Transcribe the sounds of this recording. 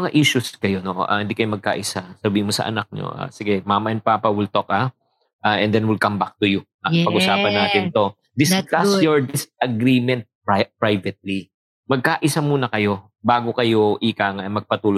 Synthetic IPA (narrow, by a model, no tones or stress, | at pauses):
mɐŋaʔiʃʊskɐjo̞noʔo̰ʔa̰hɪnd̪ikɐjomɐɡ̚ka̰ːʔɪsasɐbiːɪmosɐ̰ʔɐ̰nak̚ɲo̰ʔa̰ːsɪɡɛmamɐʔɛnpaːpɐwɪlt̪ok̚a | ʔaːʔɛnd̪ɛnwɪlkɐmbak̚t̪ʊjʊʔapɐɡɡʔʊsaːpɐnːaːt̪ɪnt̪o̞ | d̪ɪskasjɔɹd̪ɪsʔɐɡɾiːmɛnt̪̚papɹajvɛt̪̚li | mɐɡ̚kaʔɪsamuːnɐkɐjo̞ | baːɡo̞kɐjoʔɪkaːŋɐʔɐjmɐɡ̚pɐt̪uːlo